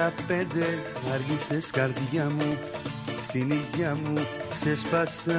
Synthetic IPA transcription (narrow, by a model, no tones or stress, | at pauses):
apẽd̪e | aɾɡĩseskaɾd̪iɡamũ | st̪iniɡamusespasã